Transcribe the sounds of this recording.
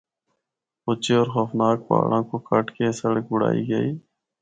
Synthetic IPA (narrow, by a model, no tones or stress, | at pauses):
pʊt͡ʃeːoːɾxəfnaːk̚pa̰ːɽãːkoːkəʈkesəɽk̚ɡʊɽa̰ːiːɡəiː